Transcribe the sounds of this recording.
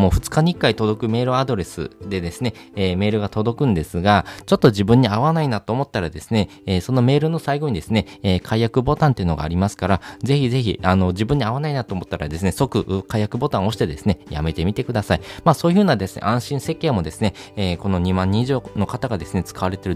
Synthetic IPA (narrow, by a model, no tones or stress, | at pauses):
mo̞ːɸɯ̟t͡sɨ̥kaɲ̟iikːait̪o̞d̪o̞kɯ̟me̞ːɾɯ̟ad̪o̞ɾe̞sɨ̰d̪e̞d̪e̞sɨne̞ː | me̞ːɾɯ̟ɡat̪o̞d̪o̞kɯ̟̃nd̪e̞sɨɡat͡ɕo̞t̪ːo̞ʑibɯ̟̃ɲ̟ːiaβanainat̪o̞ːmo̞t̪ːaɾad̪e̞sɨne̞ | eːso̞no̞me̞ːɾɯ̟no̞saiɡo̞ɲ̟id̪e̞sɨne̞eːkʰaijakɯ̟bo̞t̪ãnt̪e̞iɯ̟no̞ɡa̰ːɾʲimasɨ̥kaɾaze̞çize̞çḭano̞ʑibɯ̟̃ɲ̟ːiaβanainat̪oːmo̞t̪ːaɾa̰d̪e̞sɨne̞so̞kɯ̟ʔkaijakɯ̟bo̞t̪ão̞ɕi̥t̪e̞d̪e̞sɨne̞ja̰me̞t̪e̞mʲit̪e̞kɯ̟d̪asaimaːso̞ːji̟ɸɯ̟ːnad̪e̞sɨnḛʔãɰ̃ɕĩɰ̃se̞kːẽ̞mo̞d̪e̞sɨne̞eːko̞noɲ̟imãɲ̟ːĩiʑo̞ːno̞kat̪aɡad̪e̞sɨne̞t͡sɨ̥kaβaɾe̞t̪e̞ɾɯ̟